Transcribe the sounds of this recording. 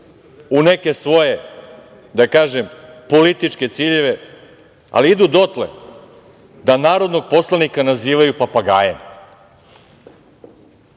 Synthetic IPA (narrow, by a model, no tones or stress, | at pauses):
une̞ke̞sʋo̞je̞ | d̪akaːʒempo̞lit̪it͡ʂke̞t̪siʎe̞ʋe̞ | a̰liid̪uːd̪o̞t̪lḛ | d̪anaːɾo̞d̪no̞ɡ̚po̞slˠanikanaziːʋajupapaɡaːjḛm